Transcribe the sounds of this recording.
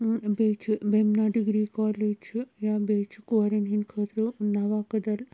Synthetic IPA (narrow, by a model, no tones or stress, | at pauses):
bet͡ʃʰbemnaɖiɡɾiːkaːled͡ʒjaːbeːt͡ʃkɐɾɐnɦinkʰəːt̪ɾənɐʋakɐd̪ɐl